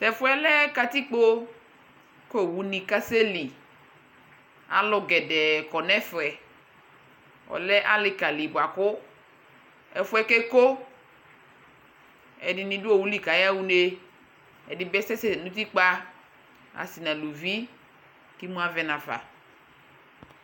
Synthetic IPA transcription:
tɛ˨fʊ˦ɛ˦lɛ˦ka˨t̪i˦k͡po˦ | ko˦˨wu˨nĩ˨ka˦se˦li˨ | a̰˨lʊ˨ɡɛ˨dɛ˨kɔ˨nɛ˦fɛ˨ | ɔ̰˨lɛ˦ʔa˦lɪ˨ka˨li˨bʊ˨a˨kʊ˦ | ɛ˨fʊ˦ɛ˦kɛ˦ko˦ | ɛ˨dɪ˨nĩ˨dʊ˦o˦˨wu˨˦li˨ka˨ja˦wu˦ne˦ | ɛ̰˨dɪ˨bɛ˦sɛ˦sɛ˦˨nũ˦t̪̬i˦k͡pa˦ | a̰˨si˨nã˨lu˨vi˦ | ki˦mũ˦a˦vɛ˦nã˨fa̰˨

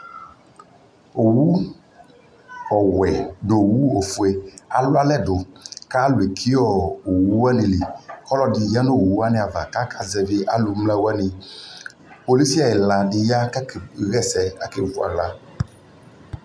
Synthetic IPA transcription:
o˨wu˦ | ɔ˨wɛ˨ɖo˨wu˦o˨fu˨e˦a˨lʊ˦a˦lɛ˦do˨ka˦lwe˨kʰi˦ɔ˦o˨wu˦wa˦ni˨li˨xɔ˦lɔ˨di˨ja˦no˦˨wu˦a˦nɪ̃˨a˨va̰˨ka˦kʰa˨zɛ˨vɪ˦ʔa˦lu˨mla˦wa˦ni˨ | po˨li˦si˦a˨e˨la˨dɪ˨ja˦ka˦kɣɛ˦sɛ˨a˦ke˨vu˦a̰˨ɣla˦

